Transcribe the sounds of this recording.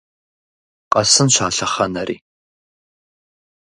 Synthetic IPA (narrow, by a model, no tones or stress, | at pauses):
qɐsɨnɕaːɬɐχɐnɐrʔḭː